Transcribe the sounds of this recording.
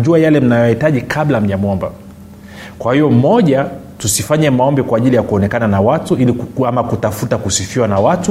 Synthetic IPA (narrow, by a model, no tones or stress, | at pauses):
ʄuajalɛm̩najɔjahitaʄikʰablam̩ɲamuɔmba̰ | kwahijɔm̩mɔʄa | tusifaɲamaɔmbɛkwaːʄilijakuɔnɛkananawatuiliamakutafutakusifiwanawatu